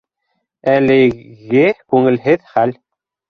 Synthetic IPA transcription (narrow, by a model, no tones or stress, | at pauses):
ælɘ̆ɣɘkʉŋɘ̆lɦɘðχæl